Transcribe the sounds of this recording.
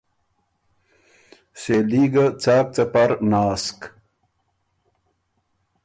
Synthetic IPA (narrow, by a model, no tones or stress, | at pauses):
seːliːɡat͡saːk̚t͡sɐpɐɾnaːsk